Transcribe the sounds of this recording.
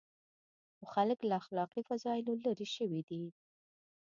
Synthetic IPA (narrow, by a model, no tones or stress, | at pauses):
xʊxaləklaaxlɑqifazɑɪlolaɾiʃəwid̪i